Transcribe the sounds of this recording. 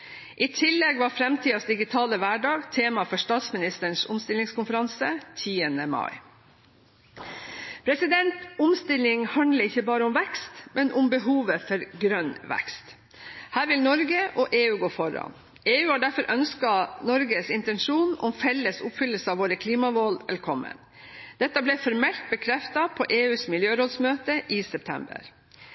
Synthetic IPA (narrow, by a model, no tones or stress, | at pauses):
ʔiːt̪ʰɪlːɛɡʋɑɾfɾɛmt̪ʰiːɑsd̪ɪɡɪt̪ʰɑːləʋæɖɑːɡt̪ʰeːmɑfɔʂt̪ɑːt̪smɪnɪst̪əɳsʊmst̪ɪlːɪŋskʰʊnfəɾɑnsət̪ʰiːənəmɑ̰ɪ | pʰɾɛsɪd̪ɛnt̪ʊmst̪ɪlɪŋhɑnd̪ləɪçəbɑːɾəʊmʋɛkst̪mɛnʔʊmbəɦuːʋəfɔɾɡɾœnːʋɛ̰kst̪ | hæːɾʋɪlnɔɾɡəʔɔʔeːʉːɡoːfɔɾɑ̰n | eːʉːhɑːɖæɾfɔɾʔœnskɑnɔɾɡəsɪnt̪ɛnʂuːnʊmfɛlːəsʊpfʏlːəlsəɑːʋoːɾəkʰliːmɑʋoːlʋɛlkʰɔmːə̰n | d̪̥ɛt̪ːɑblɛfɔɾmɛlt̪̚bəkʰɾɛft̪ɑpʰɔʔeːʉːsmɪljøːɾoːd̪smøːt̪əʔɪːsɛp̚t̪ʰɛ̰mbə̰ɾ